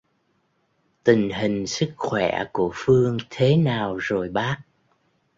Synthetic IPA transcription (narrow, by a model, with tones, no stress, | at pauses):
t̪ï˨˩ŋ̟ɦï˨˩ŋ̟sɨ˦˥k̚xwɛ̰˧˩ku˧˩əfɨ˧əŋt̪ʰe˨˦naː˨˩wzo˨˩jɓaː˦˥k̚